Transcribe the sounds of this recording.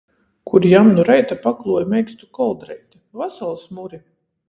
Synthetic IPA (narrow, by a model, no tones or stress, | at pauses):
kʰuɾjamnuɾɛjt̪apaklˠuɔjmɛjkst̪ukɔlˠd̪ɾɛjt̪avasalˠsmuɾi